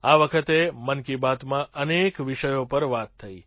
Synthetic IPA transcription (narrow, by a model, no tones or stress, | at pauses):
aʋəkʰət̪emənkibat̪mãʔənekʋɪʃəjopəɾʋat̪ʰːəi